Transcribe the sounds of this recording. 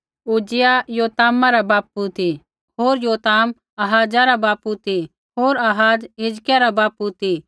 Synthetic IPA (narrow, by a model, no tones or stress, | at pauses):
uːd͡ʒɪjajoːt̪aːmaɾabaːput̪i | ɦoːɾjoːt̪aːm | ɐɦaːd͡ʒaɾabaːput̪i | ɦoːɾɐɦaːd͡ʒɦɪd͡ʒkjaɾabaːput̪i